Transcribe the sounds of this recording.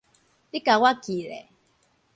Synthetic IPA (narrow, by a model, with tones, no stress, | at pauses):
i˦ka˨wa˦ki˨lḛ˨